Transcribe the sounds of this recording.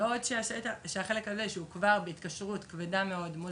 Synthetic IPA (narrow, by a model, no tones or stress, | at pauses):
eo̞dʃeaʃet̪aʃeaχe̞le̞kaze̞ʃeukvaʁbeitkaʃʁutkvedameo̞dmo